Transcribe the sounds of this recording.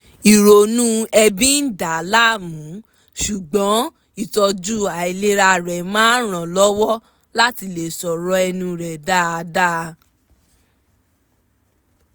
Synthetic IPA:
i˨ɾo˨nũ˦ɛ˧bĩ˦n̩˦da˨la˦˨mũ˨˦ | ʃu˨ɡ͡bɔ̃˨˦ | i˦˨tɔ˧d͡ʒu˦˨a˨i˨le˦ɾa˧ɾɛ˨mãː˦ɾ̃ã˨lɔ˦wɔ˦ | la˦ti˧le˨sɔ˨ɾɔ˧ɛ˧nũ˧ɾɛ˨da˦a˧˦da˦

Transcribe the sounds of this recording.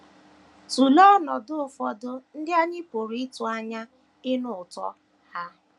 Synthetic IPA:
tu˨lɔ˦nɔ˨dʊ˦ʊ˨fɔ˨dʊ˦n̩˦dɪ˦a˦ɲɪ˦po˨ɾi˦ɪ˦tu˨a˦ɲa˦ | ɪ˦nʊ˦˨ʊ˨tɔ̰˦ | ha˦

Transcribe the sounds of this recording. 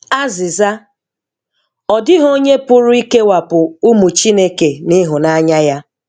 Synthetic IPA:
a˦zɪ˨za˦ | ɔ˨dɪ˦ɦo˦ɲe˦pʊ˦ɾʊ˦i˦ke˦wa˨pʊ˨u˦mu˨t͡ʃi˦ne˦ke˨ni˦ɦʊ˨na˦ɲa˦ja˦

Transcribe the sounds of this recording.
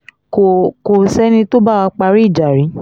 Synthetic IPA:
ko˨ko˨sɛ˨˦nĩ˧to˦ba˦˨wa˧k͡pa˧ɾi˦˨d͡ʒa˨ɾi˨˦

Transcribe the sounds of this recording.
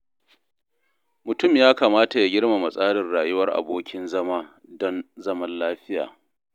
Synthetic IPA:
mʊ˨tʊ˦mjaː˦kaː˨maː˦ta˨ja˨ɡʲɪ˦rma˨mɐ˨sʼaː˦ɽɪ˨rɽaː˨jʊ˦wɐ˦rʔa̰˨boː˦kʲɪ˦nzɐ˦maː˦ | dɔ˦nzɐ˦mɐ˦nlaː˦ɸɪ˦ja̰ː˨

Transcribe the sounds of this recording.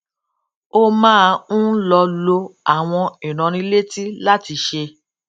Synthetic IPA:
o˦mãː˦˧ũ˦lɔ˧lo˧a˨w̃ɔ̃˧i˨ɾ̃ã˨˧ɾ̃ĩ˧˦le˦ti˦la˦ti˧ʃe˧

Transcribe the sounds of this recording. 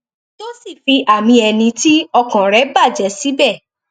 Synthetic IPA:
to˦si˦˨fi˧ʔa˨mĩ˧ɛ˧nĩ˧ti˦ɔ˧kã˨ɾɛ˨˦ba˦˨d͡ʒɛ˨˦si˦bɛ˦˨

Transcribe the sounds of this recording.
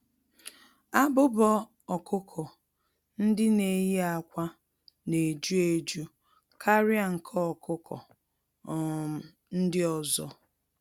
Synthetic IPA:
a˦bʊ˦bɔ˦ | ɔ˨kʰʊ˦kʰɔ˨ | n̩˦dɪ˦ne˨ji˦a˨kʷa˦ | ne˨d͡ʒu˦e˦d͡ʒu˦ | kʰa˦ɾɪ˦a˦˨ŋ̩˨kʰɔ˦ɔ˨kʊ˦kʰɔ̰˨˦ | n̩˦dɪ˦ɔ˨zɔ˦

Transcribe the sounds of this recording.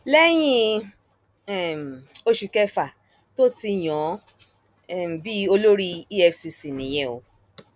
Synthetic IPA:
lɛ˦j̃ĩ˦˧ | ɛ˨m˨o˧ʃu˨kɛ˦fa˨ | to˦ti˧j̃ɔ̃˨˦˨ | m˨bi˦o˧lo˦ɾi˦i˦ɛ˧fsi˧si˨nĩ˨j̃ɛ̃˧o˨˧˦

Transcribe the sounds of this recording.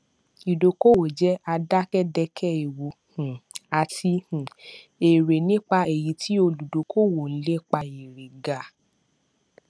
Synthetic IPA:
i˨do˨ko˦˨wo˨d͡ʒɛ˦a˧da˦kɛ˦dɛ˧kʰɛ˦i˨wu˨˦hũ˨a˨tʰi˧hũ˨ | e˨ɾe˨nĩ˦k͡pa˧e˨ji˨˦tʰi˦o˧lu˨do˨kʰo˦˨wo˨n̩˦le˦k͡pa˧i˨ɾe˨ɡa˨

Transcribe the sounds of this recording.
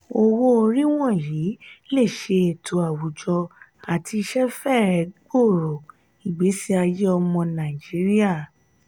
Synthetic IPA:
o˧wo˦o˧ɾi˦w̃ɔ̃˦˨ji˨˦le˦˨ʃe˧e˨tʰo˨a˨wu˨˦d͡ʒɔ˧a˨tʰi˧ʃɛ˦fɛ˦˨ɾɛ˨˦ɡ͡bo˦˨ɾo˨ | i˨ɡ͡be˨˦si˦a˧je˦ɔ˧mɔ̃˧nã˨i˨d͡ʒi˨˦ɾi˦a˦˨

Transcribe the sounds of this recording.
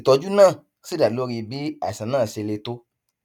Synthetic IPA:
tɔ˧d͡ʒu˦nãː˦˨ | si˦da˨lo˦ɾi˧bi˨˦a̰˨sã˨nãː˦˨se˧le˧to˦

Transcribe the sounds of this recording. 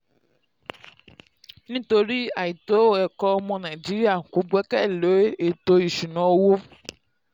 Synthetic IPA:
nĩ˦t̪o˨ɾi˦a˨ji˨t̪o˦wo˦ɛ˨kɔ˦mɔ̃˦nã˨i˨d͡ʒi˦ɾi˦a˦˨ko˨˦ɡ͡bɛ˦kɛ˦˨lo˨˦e˦e˨t̪o˦ji˨ʃu˨nɔ̃˨wo˦wo˦

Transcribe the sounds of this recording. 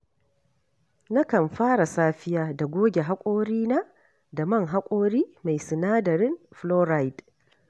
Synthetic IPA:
na˦kɐ˨mɸaː˦ɽa˨saː˦ɸɪ˦jaː˨da˨ɡʷoː˦ɡʲe˨ɦa˦kʷʼoː˦ɾiː˦na˦ | da˨mɐ˦˨ŋɦa˦kʷʼoː˦ɾiː˦ma˨jsɪ˨naː˦dɐ˨ɾɪ˦mɸloː˦ɾa˦˨jd

